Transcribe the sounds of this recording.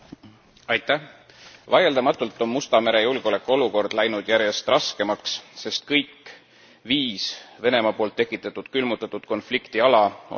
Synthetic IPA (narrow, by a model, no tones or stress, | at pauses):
ɑjt̪ˑːæh | vɑje̞ld̪ɑmɑt̪ːˑult̪ːˑo̞mːust̪ɑmeɾe̞julɡ̥ole̞kːˑo̞luko̞rd̪̥læjnud̪̥jæɾje̞st̪rɑske̞mɑksse̞st̪̚kɤjkː | viːsve̞ne̞mɑpo̞ːlt̪ːe̞kːˑit̪ːˑɑt̪ːˑud̪̥kylmut̪ːˑɑt̪ːˑud̪̥ko̞nflikt̪iɑlɑ̰